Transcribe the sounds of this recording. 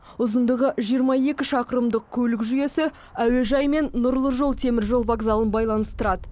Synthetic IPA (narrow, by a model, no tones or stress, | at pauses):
ʊzənd̪əʁəʒijəɾmɑje̞kʲɪʃɑqəɾəmd̪əq̚kʲʰɵlɪkʒyje̞sɪ | æwe̞ʒɑjme̞nːʊɾlˠəʒo̞lˠt̪ʰe̞mɪɾʒo̞lˠvaɡzɑlˠənbɑjlˠɑnəst̪əɾɑd̪ə